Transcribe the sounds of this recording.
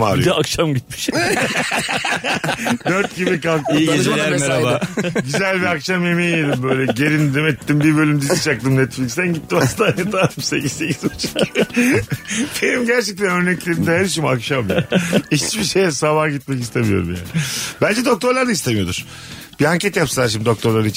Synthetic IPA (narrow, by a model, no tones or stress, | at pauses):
maɾɯ̰jakʃamɟit̪mi̥ʃ | d̪øɾt̪̚ɟibikalˠk̪iied͡ʒelæɾeɾabaɟyzælʲbiakʃamemielʲimbøøjlʲɛɟeɾind̪ɾimɛt̪ʰːimbiɾbø̞lʲymd̪izit͡ʃak̚t̪ɯmnɛt̪flʲicksd̪ænɟit̪ʰːimast̪aːnet̪aːt̪ɯʃse̞̰cizse̞cʰizat͡ʃʰɯ̥k | b̥enimɟæɾt͡ʃɛc̚t̪ʰænøɾnɛclʲeɾind̪ɛhæɾiʃ̬imakʃamja̰i̥t͡ʃbiʃejɛsavaɟit̪̚mɛcist̪ʰe̞mijo̞̰ɾumja̰ːnibænd͡ʒɛd̪o̞k̚t̪ʰo̞ɾlˠaɾd̪aist̪e̞mijo̞d̪uɾ̥ | b̥iaɲcʰɛt̪japsɯlˠaɾʃimd̪id̪o̞k̚t̪ʰo̞ɾlˠaɾi